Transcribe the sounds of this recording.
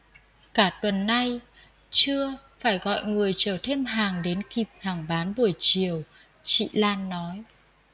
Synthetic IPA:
kaː˧˩t̪wə˨˩nːa˧j | t͡ɕɨ˧ə | faː˧˩jɣɔ̰˧˨jŋɨ˨˩əjt͡ɕəː˧˩t̪ʰe˧mɦaː˨˩ŋɗe˨˦nki˨˩p̚haː˨˩ŋɓaː˨˦nɓu˨˩əjt͡ɕi˨˩əw | t͡ɕḭ˧˨laː˧nːɔ˨˦j

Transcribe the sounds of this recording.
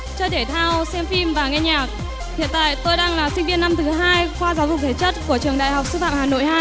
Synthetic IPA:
t͡ɕɔ˧t̪ʰe˧˩t̪ʰaː˧wsɛ˧mfi˧mvaː˨˩ŋɛ˧ɲaː˨˩k̚ | hḭ˧˨ənt̪a̰ː˧˨jt̪o˧jɗaː˧ŋlaː˨˩sï˧ŋ̟vi˧ənːa˧mt̪ʰɨ˨˦ɦaː˧jxwaː˧zaː˨˦wzʊ˨˩k͡p̚t̪ʰe˨˩t͡ɕə˦˥t̚ku˧˩ət͡ɕɨ˨˩əŋɗa̰ː˧˨jɦa˨˩wk͡p̚sɨ˧fa̰ː˧˨mhaː˨˩no̰˧˨jhaː˧

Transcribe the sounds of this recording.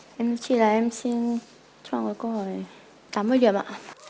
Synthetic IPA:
ʔɛ˧mnɔ˧˥t͡ɕʰi˧˩laː˨˩ʔɛ˧msi˧n | t͡ɕwa̰ː˧˩ŋɔ˨˩kɔ˧˦hɔ˧˩j | t̪aː˨˦m˧˨jli˨˩əmʔa̰ː˧˨ʔ

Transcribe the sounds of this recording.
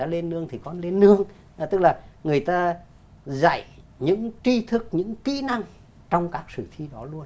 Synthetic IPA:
a̰ː˧le˧nːɨ˧əŋt̪ʰi˨˩kɔ˧nle˧nːɨ˧əŋ | t̪ɨ˦˥k̚laː˨˩ŋɨ˨˩əjt̪aː˧ | za̰˧˨j | ɲɨ̰˧˥ŋt͡ɕi˧t̪ʰɨ˦˥k̚ɲɨ̰˧˥ŋkḭ˧˥na˧ŋ | t͡ɕɔ˧wŋ͡mkaː˦˥k̚sɨ˧˩fʰi˧ɗɔ˨˦lu˧ən

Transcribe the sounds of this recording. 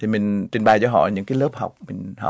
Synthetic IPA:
i˨˩mï˨˩ŋ̟t͡ɕi˨˩ŋɓaː˨˩jt͡ɕɔ˧˦ɦɔ̰˧˨ɲɨ̰˧˥ŋkaː˨˦ləː˦˥p̚ha˨˩wwk͡p̚mï˨˩ŋ̟h

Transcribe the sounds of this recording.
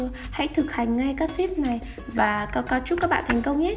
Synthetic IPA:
ha̰˧˥jt̪ʰɨ˨˩k̚ha˨˩jŋ̟ŋa˧jkaː˦˥k̚si˦˥p̚na˨˩j | vaː˨˩kkɔ˧t͡ɕʊ˦˥t̚kaː˦˥k̚ɓa̰ː˧˨nt̪ʰjŋ̟kə˧wŋ͡mɲɛ˦˥

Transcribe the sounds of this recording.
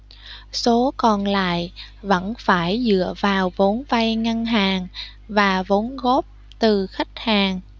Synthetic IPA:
so˨˦kɔ˨˩nla̰ː˧˨jʔ | və̰˧˥nfaː˧˩jzɨ̰˧˨əvaː˨˩wvo˨˦nva˧jŋa˧nɦaː˨˩ŋ | vaː˨˩vo˨˦nɣo˦˥p̚ | t̪ɨ˨˩xa˦˥jk̟̚haː˨˩ŋ

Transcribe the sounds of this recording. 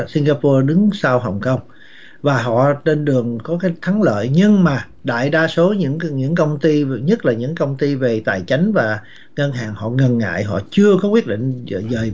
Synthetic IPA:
si˧ŋ̟ɣaː˧pɔ˧ɗɨ˨˦ŋsaː˧wɦɔ˨˩wŋ͡mkə˧wŋ͡m | vaː˨˩ɦɔ̰˧˨t͡ɕe˧nɗɨ˨˩əŋkɔ˨˦kaː˨˦jt̪ʰa˨˦ŋlə̰ː˧˨jɲɨ˧ŋmaː˨˩ | ɗa̰ː˧˨jɗaː˧so˨˦ɲɨ̰˧˥ŋɲɨ̰˧˥ŋkə˧wŋ͡mt̪i˧ɲə˦˥t̚laː˨˩ɲɨ̰˧˥ŋkə˧wŋ͡mt̪i˧ve˨˩t̪a̰ː˧˨jt͡ɕa˨˦jŋ̟vaː˨˩ | ŋə˧nɦaː˨˩ŋhɔ̰˧˨ŋə˨˩nːŋa̰ː˧˨jɦɔ̰˧˨t͡ɕɨ˧əkɔ˨˦wi˦˥ət̚ɗḭ˧˨ŋ̟˨zəː˨˩j

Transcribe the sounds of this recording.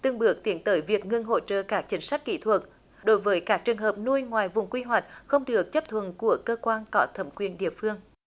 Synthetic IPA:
t̪ɨ˧əŋɓɨ˨˩ək̚t̪i˨˦ənt̪əː˨˦jvi˨˩ək̚ŋɨ˧ŋɦo̰˧˨t͡ɕə̰ː˧˨kaː˦˥k̚t͡ɕï˨˦ŋ̟sa˦˥jk̚kḭ˧˨t̪ʰwə˨˩t̚ | ɗo˨˦jvəː˨˦jkaː˦˥k̚t͡ɕɨ˨˩əŋɦəː˨˩p̚nu˧jŋwaː˨˩jvʊ̰˨˩ŋ͡mkwi˧ɦwa˨˩jk̟̚xə˧wŋ͡mɗɨ˨˩ək̚t͡ɕə˦˥p̚t̪ʰwə˨˩nku˧˩əkəː˧kwaː˧nkɔ˨˦t̪ʰə˧˩mkwi˨˩ənɗḭ˧˨əfɨ˧əŋ

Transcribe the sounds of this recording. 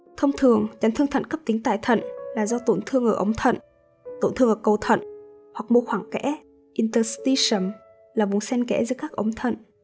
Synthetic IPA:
t̪ʰə˧wŋ͡mt̪ʰɨ˨˩əŋt͡ɕa˨˦nt̪ʰɨ˧əŋt̪ʰə̰˧˨nkə˦˥p̚t̪ï˨˦ŋ̟t̪a̰ː˧˨jt̪ʰə̰˧˨nlaː˨˩zɔ˧t̪o˧˩nt̪ʰɨ˧əŋʔəː˧˩ʔə˨˦wŋ͡mt̪ʰə̰˧˨n | t̪o˧˩nt̪ʰɨ˧əŋʔəː˧˩kə˨˩wt̪ʰə̰˧˨n | hwa˨˩k̚mo˧xwaː˧˩ŋkɛ̰˧˥ | ʔi˧nt̪ə˧st̪i˧sə˨˩m | laː˨˩vʊ˨˩ŋ͡msɛ˧nkɛ̰˧˥zɨ˨˦əkaː˦˥k̚ʔə˨˦wŋ͡mt̪ʰə̰˧˨n

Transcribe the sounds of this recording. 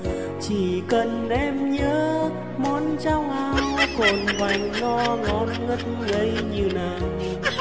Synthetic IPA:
t͡ɕi˧˩kə˨˩nʔɛ˧mɲəː˨˦ | mɔ˨˦nt͡ɕa˧wŋ͡mʔaː˧wko˨˩nva˨˩jŋ̟nɔ˧ŋɔ˨˧˦nŋə˦˥t̚ | ɣə˧˦jɲɨ˧˩naː˨˩

